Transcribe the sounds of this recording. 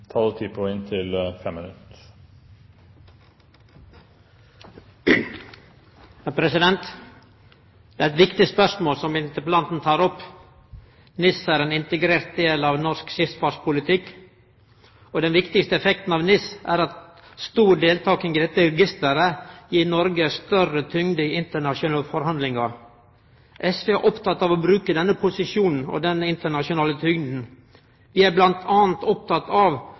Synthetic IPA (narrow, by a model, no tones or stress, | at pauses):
t̪ʰɑːd̪ʉt̪ʰiːpʰɔɪnt̪ʰɪlfɛmːɪnʉt̪ | hæpʰɾɛsɪd̪ɛnt̪ | d̪ɛæɾɛt̪ʋɪkt̪ɪspœʂmoːlsɔmɪnt̪əplɑnt̪n̩t̪ʰɑːɾɔpː | nɪsæːɾeːnɪnt̪əɡɾeːɾt̪̚d̪eːlɑʋnɔskʃɪfsfɑːʂpʰʊlɪt̪ʰɪkː | ɔd̪ɛnʋɪkt̪ɪkst̪əɛfɛkt̪n̩ɑʋnɪsʔæɾɑt̪ | st̪uːɖeːlt̪ʰɑːkɪŋɡɪd̪ɛt̪ːəɾɛɡɪst̪əɾəjiːnɔɾɡəst̪œɾət̪ʰʏŋd̪əɪɪnt̪əɳɑʂʊnɑːəfɔɾhɑnd̪lɪŋɑ | ʔɛsʋeːʔɔpt̪ʰɑt̪ːɑʋɔbɾʉːkəd̪ɛnːəpʰʊsɪʂuːnn̩ɔ̰d̪ɛnɪnt̪əɳɑʂʊnɑːlət̪ʰʏŋd̪n̩ | ʋɪæɾblɑnt̪ʰɑːnt̪ɔp̚t̪ʰɑt̪ɑʋ